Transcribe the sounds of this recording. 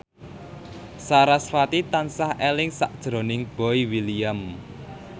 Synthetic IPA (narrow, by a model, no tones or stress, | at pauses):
saɾasfat̪it̪ansahelɪŋsa̰ʔd̥ʒ̥ɾo̤nɪŋb̥ɔiwilijam